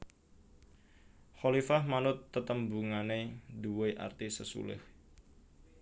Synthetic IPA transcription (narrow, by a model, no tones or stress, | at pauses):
xolifahmanʊt̪ːət̪əmbuŋaneduweʔa̰rt̪isəsṵlɪ̰h